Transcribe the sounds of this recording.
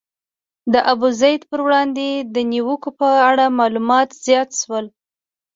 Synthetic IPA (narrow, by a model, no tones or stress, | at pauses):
d̪əʔabuzajd̪pəɾwɽɑnd̪ed̪əniwəkopəaɽamɑlumɑt̪z̥jɑt̪ʃwəl